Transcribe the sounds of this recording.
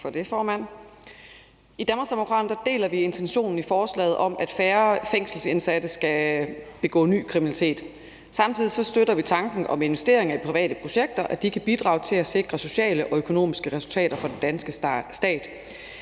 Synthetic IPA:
fɒ̽d̥e̝fɒːmæn̰ | id̥æmɐsd̥emo̝kʰʁɑ̈ːdnd̥æd̥e̝̰ːlɐʋie̝nt͡sʰenɕo̝̰ːnn̩ifɒːslɛ̰ːɪð̩ˠʔɒ̽m̰æd̥fæːɐfeŋ̰sl̩se̝nsæd̥əsɡ̥æb̥e̝ɡ̥ɔ̰̽ːny̰ːkʰʁiminælit͡sʰe̝̰ːd̥ | sɑ̈mt͡sʰið̰ˠisɒ̽sd̥øɾ̥ɐʋit͡sʰɑ̈ŋɡ̥n̩ʔɒ̽me̝nʋesd̥e̝ːɐ̰e̝ŋɐipʰʁiʋɛ̰ːd̥əpʰʁo̝ɕeɡ̥̚d̥ɐʔæd̥ikʰæb̥id̥ʁɑ̈ʊt͡sʰe̝læse̝ɡ̥ʁɐso̝ɕɛ̰ːləʔɒ̽økʰo̝no̝̰ːmisɡ̥əʁɛsult͡sʰɛ̰ːɾ̥ɐfɒ̽d̥end̥ænsɡ̥əsd̥ɛ̰ːd̥

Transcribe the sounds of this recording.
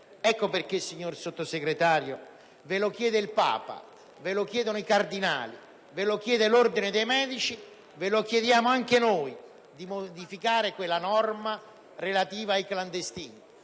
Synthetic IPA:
ɛkːoperk̟esiɲːorsot̪ːoseɡɾet̪aːɾjo | velokjɛːd̪eilpa̰ːpa̰ | velok̟jɛːd̪onoikard̪ina̰ːlḭ | velok̟jɛːd̪elord̪ined̪ejmɛːd̪it͡ʃi | velok̟jed̪jaːmoaŋkenoːj | d̪imod̪ifikaːɾekwelːanɔrma | relat̪iːvaːjkland̪est̪iːni

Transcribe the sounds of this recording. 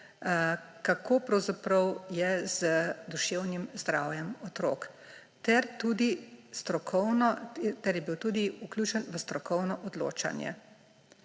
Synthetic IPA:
kakoːpɾɐwzapɾɐwjɛz̥əd̪uʃewnimzd̪ɾaːwjɛmɔt̪ɾoːk | t̪ɛɾt̪uːd̪ist̪ɾɔkʰɔwnɔt̪ɛɾjɛbiwt̪uːd̪iuklʲuːt͡ʃɛnʋəst̪ɾɔkɔwnɔʔɔd̪lo̰ːt͡ʃa̰njɛ̰

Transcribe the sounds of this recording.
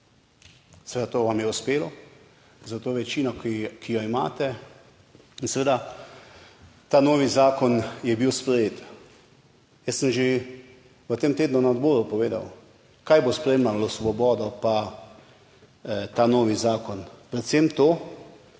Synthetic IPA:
sɛʋed̪at̪oːʋamjɛuspeːlɔ | zat̪oːʋɛt͡ʃiːnɔkijɔima̰ːt̪ɛ | insɛʋeːd̪a | t̪aːnoːʋizaːkɔnjɛbiwspɾɛjeːt̪ | jɛssəmʒe | ʋət̪emt̪eːd̪nunaɔd̪boːɾupɔʋeːd̪a̰w | kajbospɾɛjeːmlalɔsʋɔbɔːd̪ɔpa | t̪aːnoːʋizaːkɔnpɾɛt̪semt̪oː

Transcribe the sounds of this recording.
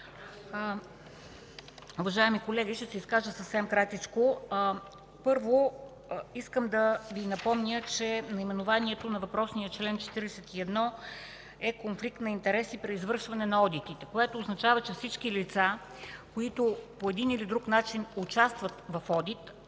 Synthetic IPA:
uvɐʒaɛmikolɛɡʲiʃt̪ɛsɛiskaʒəsəfsɛmkɾat̪it͡ʃko | pɤɾvo | iskəmd̪ɐvinɐpɔmnʲət͡ʃɛnɐimɛnovaniɛt̪onɐvɐpɾɔsnijət͡ʃlɛnt͡ʃɛ̥t̪iɾɛsɛt̪iɛd̪nɔ | ɛkonflik̚t̪nɐint̪ɛɾɛsipɾɛizvɤɾʃvɐnɛnɐɔd̪it̪it̪ɛkoɛt̪oːznɐt͡ʃavət͡ʃɛfsit͡ʃkilit̪sa | koit̪opoɛd̪inilid̪ɾukn̪at͡ʃinʊt͡ʃast̪vɐt̪vɐfɔd̪it̪

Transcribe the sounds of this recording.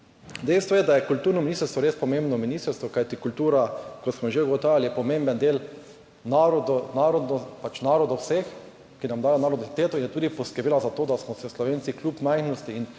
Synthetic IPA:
d̪ɛjst̪ʋɔjɛd̪ajɛkult̪uːɾnɔminist̪əɾst̪ʋɔɾeːspɔmẽmbnɔminiːst̪əɾst̪ʋɔkajt̪ikult̪uːɾakɔt̪smɔʒeuɡɔt̪aːʋjalijɛpɔmẽmbənd̪eːl | naɾɔd̪naɾɔd̪nɔpat͡ʃnaːɾɔd̪owsex | kinamd̪aːjonaːɾɔd̪nɔt̪eːt̪oinjɛt̪uːd̪ipɔskəɾbeːlazat̪oːd̪asmɔsɛslɔʋeːnsiklʲupmajxnɔst̪iin

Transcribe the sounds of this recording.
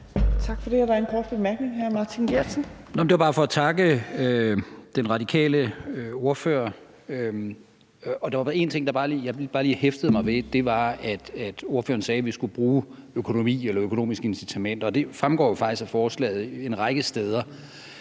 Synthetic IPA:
t͡sʰɑ̈ɡ̥fɒd̥eæɐɾɑenkʰɒːd̥b̥emæɐɡ̥ne̝ŋɦæɐmɑːt͡sʰinɡ̥eɐ̥sənnmnd̥eʋɑbɑ̈ːfɒ̽ːt͡sʰɑ̈ɡ̥əød̥enʁɑ̈d̥ikʰɛ̰ːləo̝ɐfø̰ːɐ | øm | ɒ̽d̥ɑʋɑ̈bɑ̈e̝nt͡sʰe̝ŋ̰d̥ɑ̈bɑ̈ːliːjɑ̈ɪb̥ɑ̈ːliːhefd̥əð̩ˠmɑ̈ɪʋe̝d̥e̝ʋɑ̈æd̥æd̥o̝ɐfø̰ːɐn̩sɛːʋisɡ̥ub̥ʁuːøkʰo̝no̝mḭːelɐøkʰo̝no̝̰ːmisɡ̥əe̝nsit͡sʰæmen̰d̥ɒ̽d̥e̝fʁamɡ̥ɒ̰ːjo̝fɑ̈ɡ̥isæfɒːslɛ̰ːð̩ˠe̝nʁɑ̈ɪɡ̥əsd̥eːð̞ˠɐ

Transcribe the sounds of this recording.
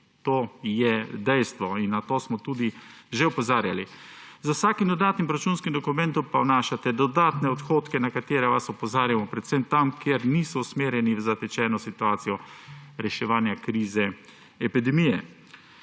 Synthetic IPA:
t̪oːjɛd̪ɛjst̪ʋɔinːat̪oːsmɔt̪uːd̪iʒeɔpɔzaːɾja̰lizawsaːkimd̪ɔd̪aːt̪nimpɾat͡ʃunskimd̪ɔkumɛ̃nt̪ɔmpawnaːʃat̪ɛd̪ɔd̪aːt̪nɛɔt̪xoːt̪kɛnakat̪eːɾɛʋasɔpɔzaːɾjamɔpɾɛt̪semt̪amkjeɾniːsɔusmeːɾjɛnivzat̪ɛt͡ʃɛːnɔsit̪uaːt̪sijɔɾɛʃɛʋaːnjakɾiːzɛ | ɛpid̪ɛmiːjɛ

